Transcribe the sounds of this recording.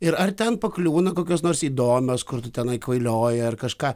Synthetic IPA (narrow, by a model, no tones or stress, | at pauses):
ɪɾɐrt̪ʲɛnpɐklʲuːnɐkoːkʲoːsnoːrsiːd̪oːmʲoːskʊrt̪ʊt̪ʲɛnɐɪkʋɐɪlʲoːjɛɐrkɐʃkɑː